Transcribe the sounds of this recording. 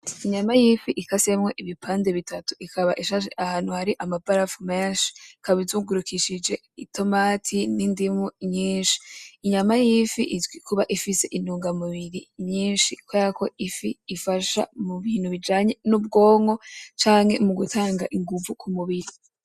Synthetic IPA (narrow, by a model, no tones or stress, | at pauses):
iɲamajifiʔikase̞mŋe̞ʔiβipʰaːnde̞βitʰatu̥ʔikʰaβa̰ʔiʃaʃeʔahaːnhuhaɾiʔamabaɾafumeːnʃi̥kaβizuɡuɾukʰiʃid͡ʒe̞ | itʰo̞maːtʰinindimuɲiːnʃi̥ːɲamajifiʔizɡwikʰuβaʔifise̞ʔinuːŋɡamuβiɾiɲɲiːnʃikwaako̞ifiːfaʃa̰muβiːn̥huβid͡ʒaːɲe̞nub̚ɡo̞ːŋo̞t͡ʃaːŋhe̞muɡutʰaːŋɡaʔiŋɡuvukʰumuβiɾi